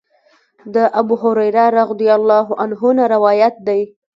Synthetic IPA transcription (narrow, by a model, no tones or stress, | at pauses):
d̪əʔabuɦʊɾajɾɑɾaɣd̪ijalːɑɦʊʔanɦʊnaɾɪwɑjat̪̚d̪aj